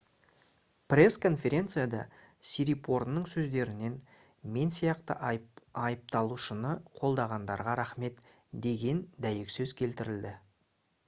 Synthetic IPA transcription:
prʲe̞skʰo̞nfʲe̞ɾʲe̞nt̪sɨjad̪ɑ̰ | siɾipʰo̞ɾnəɴsɵzd̪e̞ɾɪne̞n | me̞nsijɑqt̪ə̰ʔɑjəp̚t̪ɑlˠuʃənəqʰo̞lˠd̪ɑʁɑnd̪ɑɾʁɑɾɑχme̞t̪ | d̪e̞ɡʲe̞nd̪æjɪksɵzkʲʰe̞lt̪ɪɾɪld̪ɪ

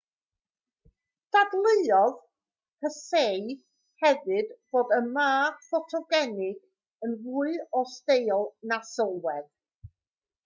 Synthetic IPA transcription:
d̥adlˠɨɨɔð | kəsej | hɛvɨdb̥oːdəmaːfɔtʰɔɡɛnɪɡ̥ | ənruːɨɔstejɔlˠnasəlˠwɛð̥

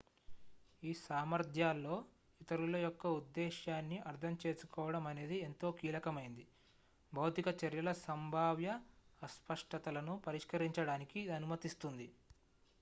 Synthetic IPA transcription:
iːsaːmɐɾd̪ʱjaːlːo̞ː | it̪ɐɾulɐjɔkːɐud̪ːɛːʃjaːnːiʔɐɾt̪ʰɐmt͡ʃe̞ːsu̥kɔːʋɐɽɐmɐne̞ːd̪ie̞nt̪o̞ːkiːlɐkɐmɐjind̪i | bʱɐwt̪ikɐt͡ʃɐɾjɐlɐsɐmbʱaːʋjɐːspɐʂʈɐt̪ɐlɐnupɐɾiʂkɐɾiɲt͡ʃɐɽaːnikiɐnumɐt̪ist̪und̪i

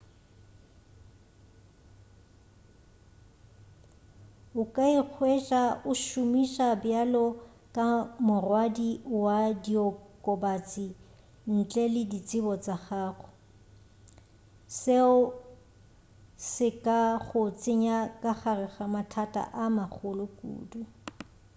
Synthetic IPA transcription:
ʊkʼaik͡xʰwɛt͡ʃʼaʊʃʊmiʃabjalɔ | kʼamʊrwadiwadiɔkʼɔbat͡sʼi | n̩t͡ɬʼɛlɪdit͡sʼɪbɔt͡saχaːχʊ̥ | seʊ | sɪkʼaχʊt͡sʼɪɲakʼaχarɪχamatʰatʼa̰ʔamaχʰʊlʊkʼṵːdu

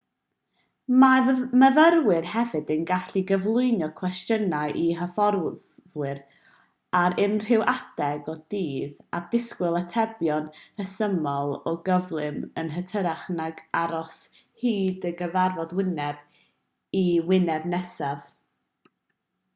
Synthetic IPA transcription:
maməðəɾwɪrhɛvɨdənɡaɬiɡəvlˠʊɨnjɔkʰw̥ɛstjənaʔiɦəfɔr | ðwɪɾ | aɾɪnr̥ɪwʔad̥ɛɡɔd̥iːða̰d̥ɪskwɪlˠətʰɛbjɔnrəsəmɔlˠɔɡəvlˠɨmənɦətʰəɾaχnaɡaɾɔs | hiːdəɡəvarvɔdwɪnɛb̥ | iwɪnɛbnɛsav

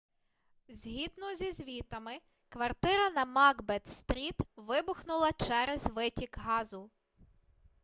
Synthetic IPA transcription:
zʲɦid̪nɔzʲizʲʋʲit̪ɐmɪ | kʋɐrt̪ɪɾɐnɐmɑɡbɛt̪st̪ɾʲit̪ʋɪbʊxnʊlˠɐt͡ʃɛɾɛzʲʋɪtʲikɦɑzʊ

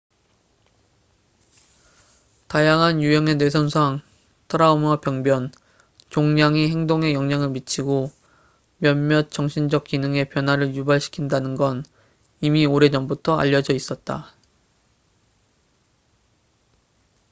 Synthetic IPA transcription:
tajaŋɦanjujʌŋene̞s̬ʰʌnsʰaŋ | tʰɯɾaumwapjʌŋbjʌn | t͡ɕoŋɲaŋihe̞ŋdoŋe̞jʌŋɲaŋɯɭmit͡ɕʰiɡo | mjʌnmjʌt̚t͡ɕ͈ʌŋɕʰind͡ʑʌk̚k͈inɯŋe̞pjʌnɦwaɾɯɭjubaɭɕʰi̥kʰindanɯnɡʌn | imioɾe̞d͡ʑʌmbutʰʌa̰ʎːʌd͡ʑʌis͈ʌt̚t͈a

